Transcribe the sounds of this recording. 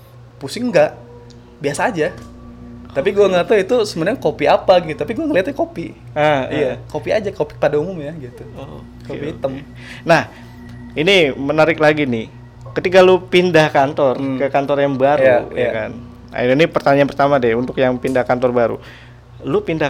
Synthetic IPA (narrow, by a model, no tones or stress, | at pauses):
pusɪŋŋɡaʔ | biasaːd͡ʒa | apiɡuaŋət̪əit̪usəmənəɲakopiapaɡit̪ut̪apiɡuɛŋəliɦat̪̚ɲakopi | aijakopia̰d͡ʒakopi̥padaumʊmjaɡit̪uo | kopiit̪əm | nah | inimənaɾɪklaɡinɪh | kət̪ikalupindahkant̪ɔrkəkant̪ɔrjaŋbaɾjua̰jakan | a̰ininipərt̪aɲanpərt̪amadɛunt̪ʊkjaŋpindahkant̪ɔrbaɾṵ | lupinda